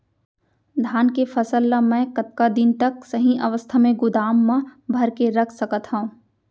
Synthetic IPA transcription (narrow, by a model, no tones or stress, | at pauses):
d̪ʱaːnkefɐsəlːamɛ̃ːkɐt̪̚kad̪ɪnt̪ɐksɐɦĩʔɐʋəst̪ʰamẽɡʊd̪aːmːãbʱɐɾkeɾɐkʰsɐkət̪ɦaũ